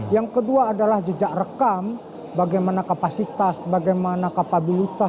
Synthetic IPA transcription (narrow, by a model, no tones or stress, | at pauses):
jaŋkəduaːdalahd͡ʒəd͡ʒaʔrəkam | baɡajmanakapasit̪asbaɡajmanakapabilit̪a